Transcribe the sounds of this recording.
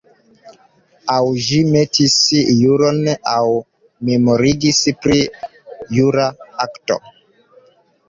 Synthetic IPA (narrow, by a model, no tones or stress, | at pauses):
awʒimetisjuɾonaw | me̞moɾiɡispɾijuɾaakto̰